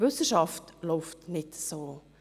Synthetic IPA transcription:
vʏsəʃɑftloʊftnɪtsoː

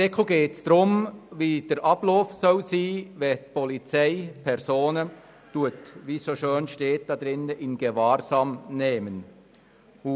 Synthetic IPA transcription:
ɛkʰoɡeːtsd̥ʁʊmviːd̥eɾʔɑblɔːfsɔlsiːvɛtpʰɔlit͡saɪpʰɛɾsoːnə | d̥uɐtviːsoʃøːnʃteːt̚d̥ɑd̥̪ɾɪnːəʔɪnɡ̥əvaːɾzɑːmneːmən

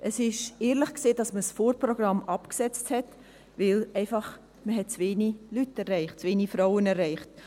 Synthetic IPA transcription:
ʔəsɪʃeːɾləχkseːdɑsməsfoːɾprɔɡ̥rɑmɑpksɛt͡sthɛt | vɪlɛɪfɑχ | məɦɛt̚t͡sveːnilytɛɾːɛɪχtt͡sʋeːnifɾaʊənɛrːɛɪχt

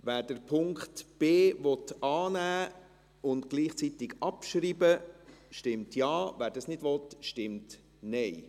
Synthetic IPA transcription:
ʋæːɾd̥əɾpʰʊŋkχtb̥eːvɔtɑːnæː | ʊntɡ̥liːχt͡sit̪ɪɡɑpʃɾiːbəʃtɪmtjɑːvæːɾdɑsnɪdvɔtʃtɪmt | nɛɪ

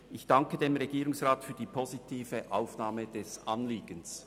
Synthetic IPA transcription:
ʔɪçd̥ɑŋkədeːmʁeɡ̥iːʁʊŋsʁaːtfyːɐd̥iːpʰozitʰiːvəʔaʊfnaːməd̥ɛsʔɑnliːɡ̥əns

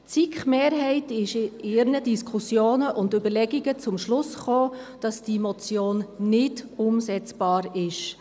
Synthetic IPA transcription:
t͡sikχmeːɾɦɛɪtɪʃɪɾnədiskʰʊsjoːnəʔʊndøbəɾlɛɡiɡət͡sʊmʃlʊsχoːd̥ɑsd̥imɔt͡sjoːnːɪdʊmsɛt͡sb̥ɑːɾɪʃ

